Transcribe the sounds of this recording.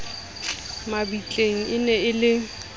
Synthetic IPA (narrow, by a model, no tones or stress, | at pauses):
mabit͡ɬʼeŋ̩ɪnɛɪlɪ